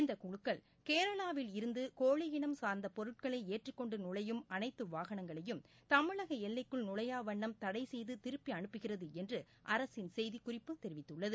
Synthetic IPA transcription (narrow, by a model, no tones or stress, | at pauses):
ɪnd̪ɐkʊɻɯkːɐɭ | keːɾɐɭaːʋɪlɪɾɯnd̪ɯkoːɻɪjɪɳɐmsaːɾnd̪ɐpɔɾɯʈ̚kɐɭɐɪeːʈrɪkːɔɳɖɯnʊɭɐjɯmɐnɐɪt̪ːɯʋaːɣɐɳɐŋɡɐɭɐjɯm | t̪ɐmɪɭɐɣɐɛlːɐɪkːɯɭnʊɭɐjaːʋɐɳːɐmt̪ɐɽɐɪsɛjðɯt̪ɪɾɯpːiɐɳɯpːɯɣɪrɐðɯɛndrɯ | ʔɐɾɐsɪnsɛjðikʊrɪpːɯt̪ɛɾɪʋɪt̪ːɯɭːɐðɯ